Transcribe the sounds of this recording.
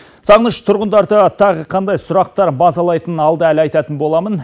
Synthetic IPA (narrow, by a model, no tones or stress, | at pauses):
sɑʁnəʃt̪ʰʊɾʁənd̪ɑɾd̪ət̪ʰɑʁəqʰɑnd̪ɑjsʊɾɑq̚t̪ɑɾbɑzɑlˠɑjt̪ənɑlˠd̪əælɑjt̪ɑt̪ənbo̞lˠɑmən